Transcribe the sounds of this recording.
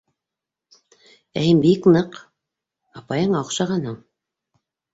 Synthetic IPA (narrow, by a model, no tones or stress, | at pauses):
æjɘmbiknɤq | ɑpɑjɤɴɑŏqʃɑʁɑnhɤɴ